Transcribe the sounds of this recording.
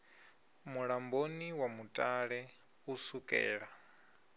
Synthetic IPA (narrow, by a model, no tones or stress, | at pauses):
muɺamboniwamutʼaɺɛ | usukʼɛ̰ːɺa